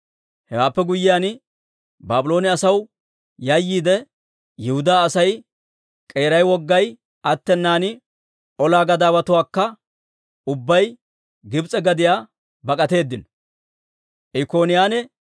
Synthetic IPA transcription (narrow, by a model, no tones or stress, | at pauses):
hɛwaːpːɛɡʊjːɪjaːn | baːbɪloːnɪɐsɐw | jɐjːiːd̪ɛ | jɪhʊd̪aːsɐj | kʼe̞ːɾɐjwɔɡːɐj | ɐt̪ːɛnːaːnɪ | ʔɔlaːɡɐd̪aːwɐt̪ʊwaːkːɐ | ʊbːɐj | ɡɪbt͡sʼɛɡɐd̪ɪjaː | bɐkʼɐt̪e̞ːd̪ːɪnɔ | ʔɪko̞ːnɪjaːnɛ